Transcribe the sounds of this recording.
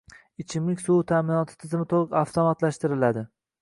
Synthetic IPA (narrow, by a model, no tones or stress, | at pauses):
ɪt͡ʃʰɪmlɪkʲsuwt̪ʰaːmɪnɒt̪ʰɪ̥t̪ʰɪzɪmɪt̪ʰolˠɨqaft̪ʰɒmat̪laʃt̪ɪɾɪlad̪ɪ